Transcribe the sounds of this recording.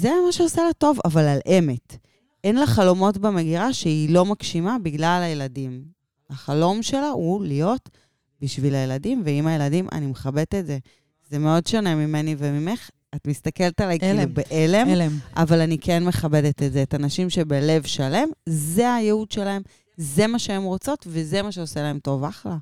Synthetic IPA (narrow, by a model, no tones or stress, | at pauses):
zemaʃeosalato̞va̰valalʔe̞me̞t | enlaχalo̞mo̞tbeme̞ɡiʁaʃeilo̞makʃimabiɡlalajeladim | aχalo̞mʃe̞laulijo̞t | biʃvilajeladimveimaje̞ladimʔa̰nimeχabe̞tetze̞ | zeme̞o̞dʃone̞mime̞nivemime̞χ | atmist̪ake̞ltalajubeʔelemlʔa̰valanikʰenme̞χabe̞detetzeːtanaʃimʃe̞bele̞vʃale̞mzeajeudʃelae̞m | ze̞maʃeemʁo̞t͡so̞tveze̞maʃeoselae̞mto̞vaχla